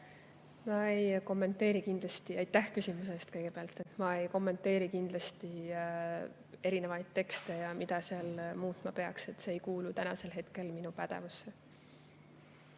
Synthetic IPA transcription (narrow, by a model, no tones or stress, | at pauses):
mɑejko̞mːe̞nt̪ːˑe̞ːɾikind̪lɑst̪iɑjt̪ːˑæhkysimus̬eːst̪kɤjɡ̥e̞peɑlt̪ːent̪mɑe̞jko̞mːe̞nt̪ːˑe̞ːɾikind̪̥lɑst̪i | e̞ɾine̞vɑjd̪̥̚t̪e̞kst̪e̞jɑmid̪̥ɑseɑlmuːt̪ˑmɑpe̞ɑkse̞t̪ːse̞ːjkuːlut̪ænɑ̰se̞lɦe̞t̪ke̞lminupæd̪̥e̞̰vusːe̞